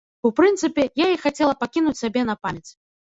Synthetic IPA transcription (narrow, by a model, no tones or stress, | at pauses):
upɾɨnt̪sɨpʲɛjaixat͡sʲɛlˠɐpakʲinut͡sʲsʲabʲɛnɐpamʲɛt̪s